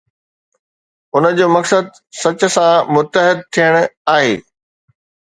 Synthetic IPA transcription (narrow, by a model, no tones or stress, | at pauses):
ʊnə̆d͡ʑoːmɐksəd̪ | sɐt͡ɕʊ̆sãmʊt̪əɦɪd̪̚t̪ʰijəɽ̃aːɦeː